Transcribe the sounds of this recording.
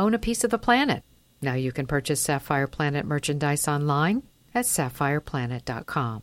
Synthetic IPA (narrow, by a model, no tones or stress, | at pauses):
õʊ̃nɨpʰisʌvðəpʰl̥ænɨ̰t̚ | naʊjɨkɨ̃npʰɜ˞t͡ʃɨsæfaɪə˞pʰl̥ænɨt̚mɜ˞t͡ʃɨ̃ndaɪsɑ̃nlãɪ̃n | ɨtsæfaɪə˞pʰl̥ænɨt̚d̥ɑ̰t̚kʰɑ̃m